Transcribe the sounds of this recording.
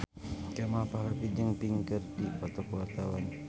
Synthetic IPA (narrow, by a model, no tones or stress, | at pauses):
kɛmapalapid͡ʒəŋpiŋkərdipɔt̪ɔkuwart̪awan